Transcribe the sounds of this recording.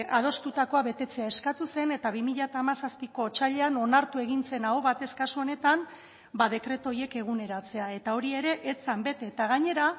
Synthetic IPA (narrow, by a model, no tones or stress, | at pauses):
ʔað̞o̞st̪ut̪ako̞aβe̞t̪e̞t͡se̞ae̞skat̪use̞ne̞t̪aβimiʎat̪aːmasaspiko̞t͡ʃaʎe̞ano̞naɾt̪ue̞ɣinse̞naoβat̪e̞skasuo̞ne̞t̪am | bað̞e̞kɾe̞t̪o̞je̞ke̞ɣune̞ɾat͡se̞ae̞t̪ao̞ɾie̞ɾe̞ʔet͡sambe̞t̪e̞ːt̪aɣaɲe̞ɾa